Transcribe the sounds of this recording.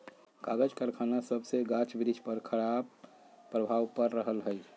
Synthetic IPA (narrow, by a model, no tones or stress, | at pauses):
kaɡəd͡ʒkəɾkʰanasəbʱseɡãt͡ʃbɾid͡ʒʱpəɾkʰəɽab̚ | pɾəbʱaʋpəɾːəɦəlɦə